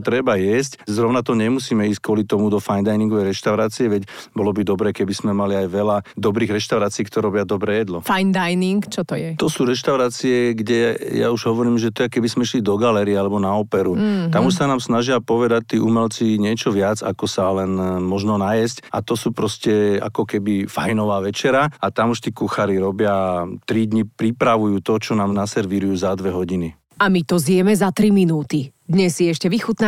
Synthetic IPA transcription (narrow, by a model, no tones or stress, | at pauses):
t̪ɾɛbajɛs̬czɾɔʊnat̪ɔɲɛmusiːmɛiːsc̚kʊɔlit̪ɔmud̪ɔfajnd̪ajniŋɡɔʋɛjɾɛʃt̪aʊɾaːt͡siɛʋɛcbɔlɔbid̪ɔbɾɛːkɛbiz̥mɛmaliajʋɛlad̪ɔbɾiːɣɾɛʃt̪aʊɾaːt͡siːkt̪ɔɾɛɾɔbɪad̪ɔbɾɛːjɛd̪lɔfajnd̪ajniŋkt͡ʃɔt̪ɔjɛt̪ɔsuːɾɛʃt̪aʊɾaːt͡siɛɡɟɛja̰uʒɦɔʋɔɾiːmʒɛt̪ɔjɛkɛbizmɛiʃlid̪ɔɡalɛɾiɛalɛbɔnaɔpɛɾuamuʃsanaːmsnaʒɪapɔʋɛd̪ac̚t̪ːiːʔumɛlt͡siɲɪɛt͡ʃɔʋɪad͡za̰kɔsalɛnmɔʒnɔnajɛsca̰t̪ɔsuːpɾɔscɛa̰kɔkɛbifajnɔʋaːʋɛt͡ʃɛɾaat̪amuʃt̪iːkuxaɾiɾɔbɪat̪ɾid̪ɲipɾipɾaʋujuːt̪ɔt͡ʃɔnaːmnasɛɾʋiɾujuːzad̪ʋɛɦɔɟini | amit̪ɔzjɛmɛzat̪ɾiminuːt̪id̪ɲɛsːiɛʃcɛʋixut̪na